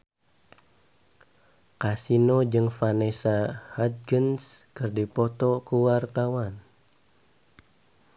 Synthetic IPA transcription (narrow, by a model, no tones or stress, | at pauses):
kasinod͡ʒɨŋfanesahad̪̚ɡənskɨrdipɔt̪ɔkuwart̪awan